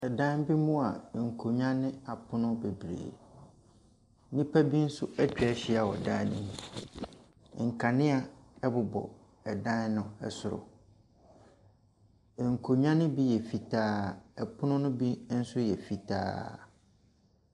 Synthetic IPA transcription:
ɛ˨dã˦n˦bi˦mʊ̃˦a˨ŋ̩˨kʰo˨ɲã˦nɪ̃˦a˨pʰʊ˦nʊ̃˦be˨bɾḛː˨˦ | nĩ˦pʰa˦bi˦n̩˦sʊ˦ɛ˦t͡ɕᶣɛ˦ɕi˦a˨wɔ̰˨dã̰˦nɪ̰̃˦nũ˨ | ŋ̩˨kʰa˨nɪ̃˦a˨ɛ˦bʊ˨bɔ̰˨ | ɛ˨dã˦n˦nʊ̃˦ɛ̰˨sʊ˨ɾʊ̰˨ | ŋ̩˨kʰo˨ɲã˦nɪ̃˦bi˦jɛ˨fi˨tʰaː˦ɛ˨pʰʊ˦nʊ̃˦nʊ̃˦bi˦n̩˦sʊ˦jɛ˨fi˨tʰa̰ː˦

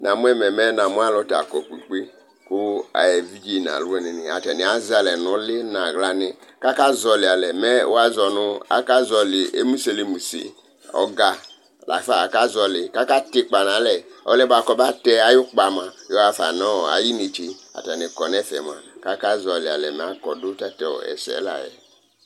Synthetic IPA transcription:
na˨mu˦ɛ˦mɛ˨mɛ˦na˨mũ˦a˦˨lɔ˦ta̰˨kɔ˨k͡pi˨k͡pe˦ | ku˦a̰˨jɛ˨vi˦d͡ʒi˦˨na̰˨lu˦ɛ˦ni˨ni˨a̰˨tɛ˨ni˨a˨˦za˧lɛ˨nu˨˦lɪ˦nã˨ɣla˧nɪ˧ka˦ka˦zɔ˧li˨a˨lɛ˨mɛ˦ṵ˦a˧zɔ˨nʊ˧a̰˦ka˦zɔ˧li˨ḛ˦mu˦se˧li˧mu˨sḛ˨ | ɔ̰˨˦ɡa˧˨ | la̰˨˦fa˦˨a˨ka˦zɔ˧lɪ˨ka˦ka˦tɪ˦k͡pa˨nã˨˦lɛ˨ɔ̰˦lɛ˦ba˨kɔ˧˦ba˦tɛ˦a˨jʊ˦k͡pa˨mã˨jɔ˦a˧fa˨nɔ˦˨a̰˨ji˦ni˨t͡ʃi˧a̰˨tɛ˨nɪ˨kɔ˨nɛ˦fɛ̰˨m˨a˨ka˦ka˦zɔ˨lɪ˨a̰˨lɛ˨mɛ˨a˨˦kɔ˨dʊ˦ta˦tɛ˨ɔ̰˨ɛ̰˨sɛ̰˨˦la̰˨jɛ̰˨

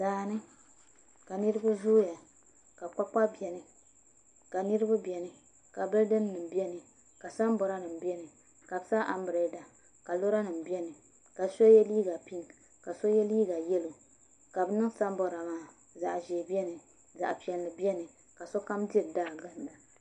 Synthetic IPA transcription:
daː˨nɨ˦ | ka˨nɨ˦ɾɨ˦ba˦zuː˦ja˨ | ka˨k͡pa˦k͡pa˦bi˨ɛ˨nɨ˨ | ka˨nɨ˦ɾɨ˦ba˦bi˨ɛ˨nɨ˨ | ka˨bɨ˦dɨ˦nː˦ɨ˨m˨bi˦ɛ˦nɨ˨ | ka˨sa˦m˦bɔ˨ɾa˦nɨ˨m˨bi˦ɛ˦nɨ˨ | ka˨bsa˦ʔa˨mbɾe˦da˨ | ka˨lo˦ɾa˦nɨ˨m˨bi˦ɛ˦nɨ˨ | ka˨so˦jɛ˦li˦ɡa˨pi˦n | ka˨so˦jɛ˦liː˦ɡa˨jɛ˦lo˨ | ka˨bɨ˦nɨ˦ŋsa˦m˦bɔ˨ɾa˨maː˦ | za̰˨ʔʒeː˨bɛ˦nɨ˨ | za̰˨ʔpi˨ɛ˨nlɨ˨bi˦ɛ˦nɨ˨ | ka˨so˦ka˦mdi˦˨ɾdaː˦˨ɡa˦nla˨

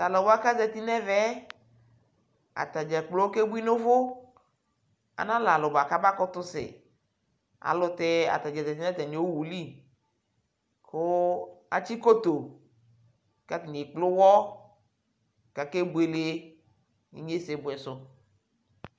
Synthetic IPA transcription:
ta˨lɔ˨ba˦ka˦zɛ˨t̪i˦nɛ˦vɛ˨˦ | a̰˨t̪a˨d͡ʒɛ˨k͡plo˦ke˦bu˦i˦no˦vʊ˦ | a̰˨nã˦la˨lʊ˨ba˨ka˦ba˦kɔ˦t̪ʊ˦sɪ̰˨ | a̰˨lʊ˨˦t̪ɛ˦a̰˨t̪a˨d͡ʒɛ˨zɛ˨t̪i˦nɛ˦t̪ɛ˨ɲe˨˦o˦wu˨li˦ | kʊ˦a̰˨t͡ʃi˦ko˦t̪o˨ | ka˦ti˨ne˨k͡plʊ˦wɔ˦ | ka˨ke˦bu˨e˨le˦ | ḭ˦ɲe˦se˨bʊ˨ɛ˨sʊ˦

